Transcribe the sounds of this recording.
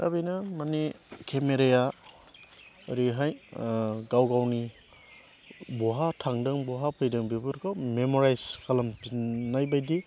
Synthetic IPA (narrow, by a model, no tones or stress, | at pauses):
ta̰bijnamanikʰemeɾeja | ɾiɦaj | ɡawɡawni | bɔɦatʰaŋdɯŋbɔɦapʰɯjdɯŋbibuɾkʰɔmemɔɾajskʰalamnajbajdi